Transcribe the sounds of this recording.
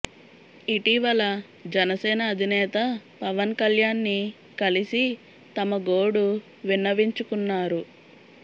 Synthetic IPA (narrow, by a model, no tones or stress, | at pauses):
iʈiʋɐlɐ | d͡ʒɛnɐsɛːnɐːd̪ʱinɛːt̪ɐpɐʋɐnkɐljaːnːi | kɐlisi | t̪ɐmɐɡo̞ːɽu | ʋinːɐʋiɲt͡ʃukunːaːɾu